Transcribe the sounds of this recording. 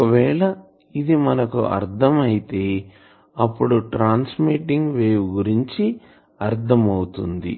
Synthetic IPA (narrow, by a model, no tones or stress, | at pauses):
ɔkɐʋɛːɭɐ | id̪imɐnɐkṵʔɐ̰ɾt̪ʰɐmɐjit̪e̞ː | ɐpːuɽuʈɾaːnsmiʈiŋɡʋeːwuɡuɾiɲt͡ʃi | ɐɾt̪ʰɐmɐwut̪ṵnd̪ḭ